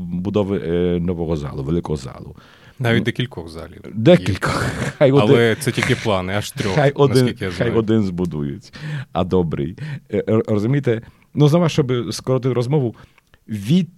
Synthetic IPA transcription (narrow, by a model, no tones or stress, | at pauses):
bʊd̪ɔʋɪnɔʋɔɦɔza̰lˠʊʋelˠɪkɔɦɔza̰lˠʊ̰ | naʋitd̪ɛkʲilʲkɔɣza̰lʲḭwd̪ɛkʲilʲkɔxxajɔlɛt̪sɛtʲilʲkʲɪplˠɑnɪaʃt̪ɾʲɔxajʔɔdnɪnikjazajɔd̪ɪnzbʊd̪ujʊt͡sʲɐd̪ɔbɾɪ̰j | rɔzʊmʲijt̪ɛ | nuznɔʋaʃt͡ʃɔbɪskɔɾɔt̪ɪt̪ʲɾɔzmɔʋʊ | ʋʲid̪